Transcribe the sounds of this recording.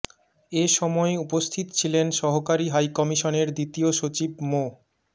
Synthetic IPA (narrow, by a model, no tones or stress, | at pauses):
eʃɔmɔeupost̪ʰit̪ot͡ɕʰilenʃɔɦokaɾiɦajkɔmiʃoneɾd̪it̪ioʃot͡ɕib̚mo